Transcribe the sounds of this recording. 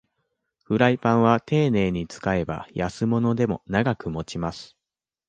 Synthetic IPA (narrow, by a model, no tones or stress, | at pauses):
ɸɯ̟ɾaipãɰ̃β̞at̪e̞ːne̞ːɲ̟it͡sɨ̥kae̞ba̰jasɨmo̞no̞d̪e̞mo̞naɡakɯ̟mo̞t͡ɕimasɨ̥